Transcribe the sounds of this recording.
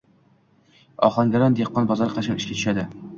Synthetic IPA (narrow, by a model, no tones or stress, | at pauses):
ɒ̰χˠɑŋɡʲæɾand̪eqːɒnbɒzɑɾqʰɑʃɑnɪ̥ʃkʲat̪ʰy̥ʃad̪ɪ